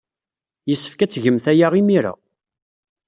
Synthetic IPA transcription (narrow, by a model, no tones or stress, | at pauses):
jəsːə̥fkæt͡sːʝəmθæjaʁimiɾa̰